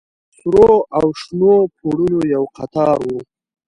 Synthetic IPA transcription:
sɾoawʃnopʰoɽunojawqat̪ɑɾwu

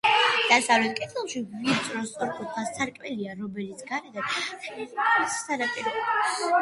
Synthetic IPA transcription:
d̪̥asavlɛt̪̚ʰkʼit̪ʰɛlˠʃiit̪sʼɾɔst̪sʼɔɾkʼup̪pʰast̪sʰaɾkʼmɛliaɾɔmɛlit̪sʰɡaɾɛd̪ad̪ | issaɾapʼiɾ

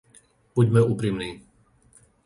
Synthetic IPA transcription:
b̥uɟmɛuːpɾimniː

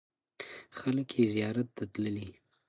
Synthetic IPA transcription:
xaləkjezijɑɾat̪̚d̪at̪ləli

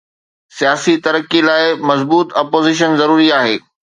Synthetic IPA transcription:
sijaːsit̪ɐɾəkilaːɪmɐzbuːt̪ɐːpoːzɪʃ̬ənzɐɾuːɾiaːɦeː

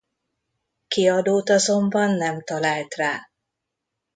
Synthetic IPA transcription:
kiɒd̪oːt̪ɒzo̞mbɒnːɛmt̪ɒlaːlt̪raː

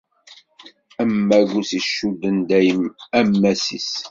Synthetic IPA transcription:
æmːæɡusiʃːud̪ənd̪æjəmæmːæsḭs

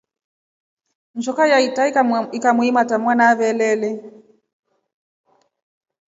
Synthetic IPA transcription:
n̩t͡ʃɔkajaitaikamwimatamwanaβɛlɛlɛ

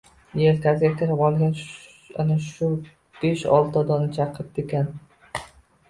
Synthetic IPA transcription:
jeɾk̪ʲʰazɡʲakʲʰɪɾɪpɒlˠɡʲan | a̰naʃʊ | b̥eʃɒlˠt̪ʰɒd̪ɒnɪt͡ʃʰaqʰɪp̚d̪ekʲan

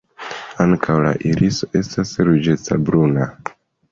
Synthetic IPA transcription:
aŋkʰawla̰ʔiɾisoʔe̞stasɾud͡ʒe̞t͡sabɾuna

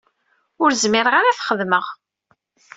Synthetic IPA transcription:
ʊɾzmɪɾəʁaɾaθχəðməʁ

